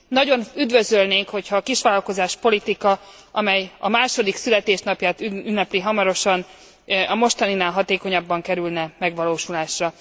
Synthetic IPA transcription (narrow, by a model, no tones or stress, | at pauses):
nɒɟo̞nyd̪vøzølneːŋkho̞cʰhɒːkiʃʋaːlɒlko̞zaːʃpo̞lit̪ikɒ | ʔɒmɛjɒmaːʃo̞d̪iksylɛt̪eːʃnɒpjaːt̪yynːɛpliɦɒmɒɾo̞ʃɒn | ɒmo̞ʃt̪ɒninaːlɦɒt̪eːko̞ɲɒbːɒŋkɛɾylnɛmɛɡʋɒloːʃulaːʃrɒ